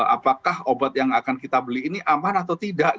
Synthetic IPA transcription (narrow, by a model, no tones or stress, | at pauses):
apakahobat̪̚jaŋakankit̪abəliːniʔamanat̪awt̪idaʔ